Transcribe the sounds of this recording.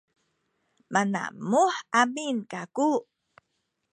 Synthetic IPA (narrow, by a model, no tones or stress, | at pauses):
mana̰muħʔaminkaku